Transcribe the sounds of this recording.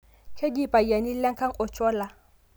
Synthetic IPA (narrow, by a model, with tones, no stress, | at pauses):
kʰe˦di˦˨pʼa˨ja˨ni˦la˦ŋ˦kʰa˦ŋɔ˨t͡ʃɔ˦la˨